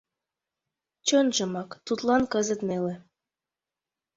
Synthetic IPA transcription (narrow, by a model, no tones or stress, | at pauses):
t͡ɕonʒə̆mɑkt̪ut̪lɑnkɤzət̪nelĕ